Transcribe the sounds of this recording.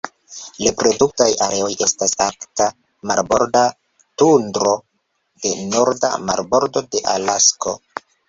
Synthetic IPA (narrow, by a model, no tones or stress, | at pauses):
lepɾo̞duk̚tajaɾe̞o̞jʔe̞stasakta | maɾbo̞̰ɾda | tundɾo̞ | de̞no̞ɾda̰ma̰ɾbo̞ɾdo̞de̞ʔalasko̞